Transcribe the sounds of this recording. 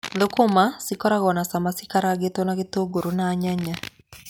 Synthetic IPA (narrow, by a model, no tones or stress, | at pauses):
ðokomasikɔɾaɣɔnasamasikaɾaɡetɔnaɣetoɡoɾonaːɲaɲa